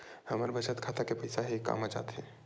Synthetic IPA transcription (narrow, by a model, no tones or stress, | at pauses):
hɐməɾbət͡ʃət̪kʰaːt̪akepɐɪsaɦikːa̰ːmad͡ʒa̰ːt̪ɦɛ̃ː